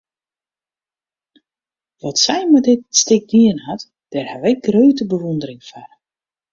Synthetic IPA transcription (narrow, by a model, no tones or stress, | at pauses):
ʋɔtsɛjmadɪtstɪk̚diənhat | d̥ɛrhaʋɛɡrøːtəbəʋundərɪŋfar